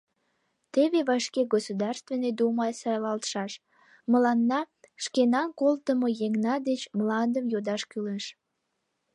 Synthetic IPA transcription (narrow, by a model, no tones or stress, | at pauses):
t̪eβeβɑʃkeɡosud̪ɑrst̪vened̪umɑjsɑjlɑlt̪ʃɑʃ | məlɑnːɑ | ʃkenɑnkolt̪əmojeŋnɑd̪et͡ɕmlɑnd̪əmjod̪ɑʃkyleʃ